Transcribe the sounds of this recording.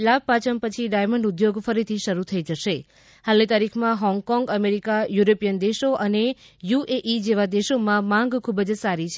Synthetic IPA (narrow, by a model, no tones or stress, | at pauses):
lab̚pat͡ʃəmpət͡ʃʰiɖajməɳɖud̪joɡfəɾit̪ʰiʃəɾut̪ʰəid͡ʒəʃe | halit̪aɾikʰmãɦɔ̃ŋɡkɔ̃ŋɡəmeɾikajuɾopijənd̪eʃoʔəne | jueʔid͡ʒeʋad̪eʃomãmãŋɡkʰubəd͡ʒsaɾit͡ʃʰ